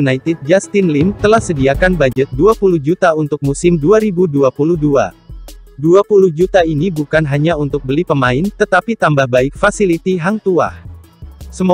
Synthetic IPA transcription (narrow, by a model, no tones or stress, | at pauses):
nait̪ɪd̪̚d͡ʒast̪ɪnlɪmt̪əlahsədiakanbad͡ʒət̪̚duapuluhd͡ʒut̪aunt̪ʊk̚musɪmduaɾibuduapuluhdua̰ | duapuluhd͡ʒut̪ainibukanɦaɲaunt̪ʊk̚bəlipəmaɪnt̪ət̪apit̪ambahbaɪk̚fasilit̪iɦaŋt̪ua̰h | səm